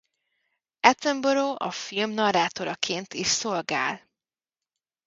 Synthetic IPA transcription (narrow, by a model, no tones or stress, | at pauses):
ɛt̪ɛmboɾoːʔɒ̰filmnɒraːt̪oɾɒkʰeːnt̪iːʃsolɡa̰ːl